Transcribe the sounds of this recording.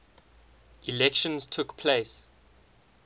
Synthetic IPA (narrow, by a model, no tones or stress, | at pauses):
ʔilɛkʃə̃nztʰukpʰleɪs